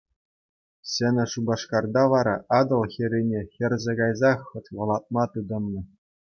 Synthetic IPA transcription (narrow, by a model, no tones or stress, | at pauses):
ɕɘ̆nʲɘ̆ʂubɑʂkɑrd̪ɑʋɑɾɑʔɑd̪ɤ̆lˠxʲĕɾʲenʲexʲɘ̆rʲzʲeɡɑjzɑχːɤ̆t̪ʲʋɤ̆lˠɑt̪̚mɑt̪ɯd̪ɤ̆nːɤ̆